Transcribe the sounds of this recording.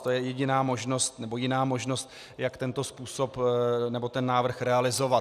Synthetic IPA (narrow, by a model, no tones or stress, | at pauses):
t̪ojɛjɛɟɪnaːmo̞ʒno̞st̪nɛbo̞jɪnaːmo̞ʒno̞st̪ | jakt̪ɛnt̪o̞spuːso̞pnɛbo̞t̪ɛnːaːvr̩xɾɛalɪzo̞vat̪